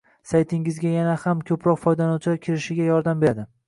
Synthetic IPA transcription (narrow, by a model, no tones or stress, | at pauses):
sajt̪ʰɪŋɪzɡʲajanahamkʲʰɵpʰɾɒqfɒjd̪anɒwt͡ʃʰlaɾkʲʰɪɾɪʃɪɡʲajɒɾd̪ambeɾd̪ɪ